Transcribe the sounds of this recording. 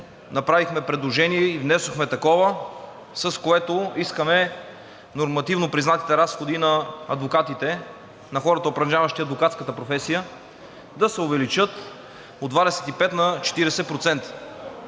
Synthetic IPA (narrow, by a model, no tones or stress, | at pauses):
nɐpɾavixmɛpɾɛd̪lˠoʒɛnijɛivnɛsoxmɛt̪ɐkɔvə | sɐskoɛt̪oiskəmɛ | noɾmɐt̪ivnopɾiznat̪i̥t̪ɛɾasxod̪inɐɐd̪vokat̪it̪ɛ | nɐxɔɾɐt̪əopɾɐd͡ʒavɐʃt̪iɐd̪vokat̪skət̪əpɾofɛsijə | d̪ɐsɛovɛlit͡ʃɤt̪ | od̪vad̪ɛsɛ̥t̪ipɛt̪nɐt͡ʃɛ̥t̪iɾɛsɛpɾot̪sɛnt̪ə̥